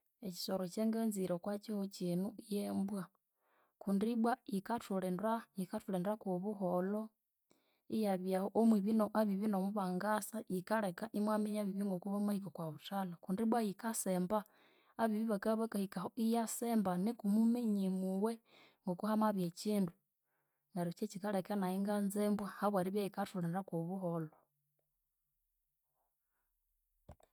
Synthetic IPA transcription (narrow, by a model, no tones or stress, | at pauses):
eci̥soɾot͡ʃeŋɡenziɾokwat͡ʃihot͡ʃinuijembwa | kundiβwaikatulenaikatulendɾakuβuɦolo | ijaβjahoʔomwiβinoʔaβiβinomuβaŋɡasaikaɾekaʔimwameɲaβiβiŋɡokuβamaikokwaβutalakundiβwajikasembaː | βiβiβakaβakahikahoijasembanikumumeɲimuwe | ŋɡokuhamaβjet͡ʃiːndu | ŋɡaɾot͡ʃet͡ʃikaɾekanaiŋɡanzembwahaβwaɾiβjajikatuleɾakoβuɦolo